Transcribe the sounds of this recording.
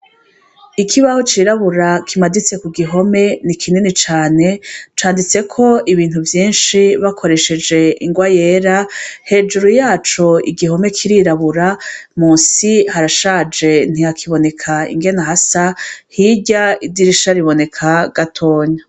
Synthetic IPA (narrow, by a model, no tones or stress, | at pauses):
ikʰiβahot͡ʃiːɾaβuɾakʰimadit͡se̞kuɡiɦo̞me̞nikʰininit͡ʃaːne̞t͡ʃaːndit͡se̞kʰo̞iβiːn̥uvjiːnʃiβakʰo̞ɾe̞ʃe̞d͡ʒe̞ʔḭŋɡwaje̞ːɾahe̞ːd͡ʒuɾujaːt͡ʃo̞ḭɡiɦo̞me̞kʰiɾiɾaβuɾamuːsihaɾaʃaːd͡ʒe̞n̥ijakʰiβo̞ne̞kʰaḭŋɡe̞naɦasahiɟaidiɾiʃaɾiβo̞ne̞kʰaɡ̥atʰo̞ːɲa